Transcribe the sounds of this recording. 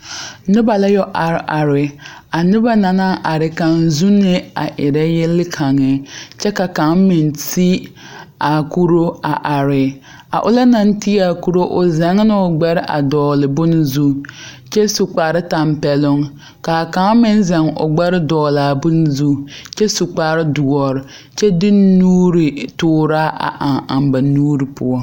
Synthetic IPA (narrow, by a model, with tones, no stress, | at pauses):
nɪ˦ba˨la˦jɔ˦ʔa˨ɾʔa˨ɾɪ˨a˨nɪ˦ba˦na˨na˦ʔa˨ɾɪ˨ka˨ŋzu˦nɪ˦a̰˨ʔɪ˨ɾɛ˦jɪ˦lɪ˦kʰa˨ŋɪ˨t͡ʃɛ˦ka˨ka˨˦ŋmɪ˨nti˦ | a˨ku˦ɾo˦a˨ʔa˨ɾɪ˨ | a̰˨ʔʊ˦la˦na˦n˦ti˦a˨ku˦ɾo˦ʔʊ˨zɛ˨˦ŋ˦nɪ˦ʊ˨ɡ͡bɛ˦ɾɪ˦ʔa̰˨dɔː˨lɪ˨bʊ˦nɪ˦zu˦ | t͡ʃɛ˦su˨k͡paː˨ɾɪ˦ta˨mpɛ˨lʊ˦ŋ | ka˨ka˨˦ŋ˦mɪ˦n˦zɛ˨ŋʊ̰˨ɡ͡bɛ˦ɾɪ˦dɔː˨laː˨bʊ˦n˦zu˦t͡ʃɛ˦su˨k͡paː˨ɾɪ˦dʊ˨ɔ˨ɾɪ˨ | t͡ʃɛ˦dɪ˦nuː˦ɾi˨tʊː˦ɾaː˦ʔa̰˨ʔa˨ŋa˨mba˨nuː˦ɾi˨pʊ̰˦ɔ˦